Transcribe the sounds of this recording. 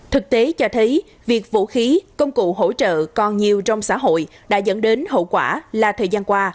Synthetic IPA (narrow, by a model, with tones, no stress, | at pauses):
t̪ʰɨ˨˩k̚t̪e˨˦t͡ɕɔ˧t̪ʰə˨˦j | vi˨˩ək̚vṵ˧˥xi˨˦kə˧wŋ͡mkṵ˧˨ɦo̰˧˥t͡ɕə̰ː˧˨kɔ˨˩nɲi˨˩əwt͡ɕɔ˧wŋ͡msa̰ː˧˥ɦo̰˧˨j | ɗa̰ː˧˥zə̰˧˥˩nɗe˨˦nɦo̰˧˨kwaː˧˩laː˨˩t̪ʰəː˨˩jzaː˧nkwaː˧